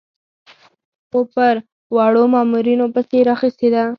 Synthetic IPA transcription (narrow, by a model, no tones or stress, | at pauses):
opaɾ | wɑɽomɑːmuɾinopəseɾaxist̪ed̪a